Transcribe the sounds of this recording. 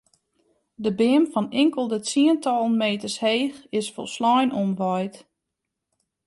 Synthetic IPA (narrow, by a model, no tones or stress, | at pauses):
dəbɪəmfɔnɪŋkəlˠdət͡siəntɔlˠn̩meːtərsheːxɪsfɔ̰lˠslɔjnonʋɔjt